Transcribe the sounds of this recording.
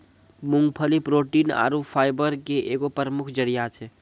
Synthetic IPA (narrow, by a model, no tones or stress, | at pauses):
mʊ̃ŋɡ̚pʰəlipɾoʈiːna̰ːɾupʰaːɪbəɾkeʔeːɡopəɾəmʊkʰd͡ʒəɾijat͡ʃʰɛ